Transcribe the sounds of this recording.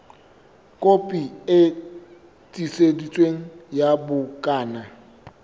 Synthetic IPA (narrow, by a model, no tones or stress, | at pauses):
kʼopʼiɪ | tʼisedit͡sʼweŋ̩jabʊkʼaːna